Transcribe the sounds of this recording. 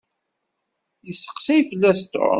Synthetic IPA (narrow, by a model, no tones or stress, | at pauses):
jəsə̥qsæjfəlːæst̪o̰